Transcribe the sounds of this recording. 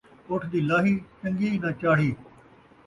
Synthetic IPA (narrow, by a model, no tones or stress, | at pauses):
ʊʈʰd̪iːlaːɦiːt͡ʃəŋɡiːnãːt͡ʃaːɽ̤iː